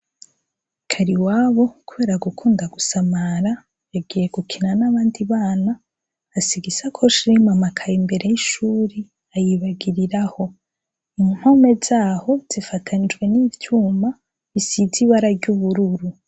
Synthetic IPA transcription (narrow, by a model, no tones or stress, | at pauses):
kʰaɾiwaːβo̞kuβe̞ːɾaɡukʰuːndaɡusamaɾa | jaɡiːje̞ɡukʰinanaβaːndiβaːnaː | siɡisakʰo̞ʃiɾimamakʰajimbe̞ɾe̞jiʃuːɾi | ajiβaɡiɾiɾaho̞ | im̥ho̞me̞z̥aːho̞z̥ifatʰanid͡ʒɡwe̞nivjuːma | βisiziβaɾaɾɟuβuɾuɾu